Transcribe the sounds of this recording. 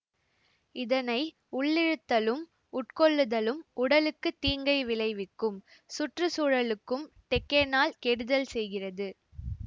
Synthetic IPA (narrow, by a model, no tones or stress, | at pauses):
ɪðɐnɐɪ | ʊɭːɪɻɯt̪ːɐlɯm | ʊʈ̚kɔɭːɯðɐlɯmʔʊɽɐlɯkːɯt̪ːiːŋɡɐɪʋɪɭɐɪʋɪkːɯm | sʊʈrɯsuːɻɐlɯkːɯmʈɛkːɐnaːlkɛɽɯðɐlsɛjɣɪrɐðɯ